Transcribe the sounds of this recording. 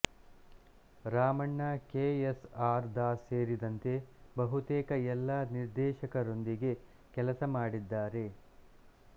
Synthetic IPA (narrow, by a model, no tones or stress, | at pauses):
ɾaːmɐɳːɐkeːesaːɾd̪aːseːɾid̪ɐnt̪e̞bɐɦut̪ɛːkɐɛlːɐniɾd̪ɛːʃɐkɐɾo̞nd̪iɡe̞ | kɛlɐsɐmaːɽid̪ːaːɾe̞